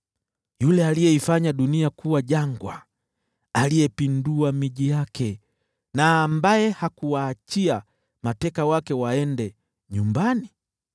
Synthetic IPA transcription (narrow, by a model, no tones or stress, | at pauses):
julɛalijɛifaɲaɗuniakuwaʄaŋɡwa | alijɛpinduamiʄijakʰɛ | naːmbajɛhakuwaːt͡ʃia | matɛkawakɛwaɛndɛ | ɲumbani